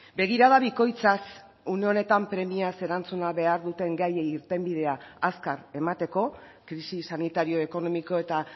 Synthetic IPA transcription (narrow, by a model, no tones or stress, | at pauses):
be̞ɣ̞iɾaðaβiko̞jt͡sas | une̞o̞ne̞t̪ampɾe̞miase̞ɾant͡sunaβe̞aɾðut̪e̞ŋɡajeiɾt̪e̞mbið̞e̞aaskaɾe̞mat̪e̞ko̞ | kɾisisanit̪aɾio̞e̞ko̞no̞miko̞e̞t̪a